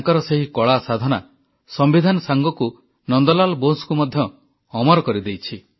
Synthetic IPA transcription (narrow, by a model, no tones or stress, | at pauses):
ŋkɔɾɔseɦikɔɭasad̪ʱɔna | sɔmbid̪ʱanɔsaŋɡɔku | nɔnd̪ɔlalɔbonskumɔd̪ʱjɔː | mɔɾɔkɔɾid̪ejt͡ʃʰi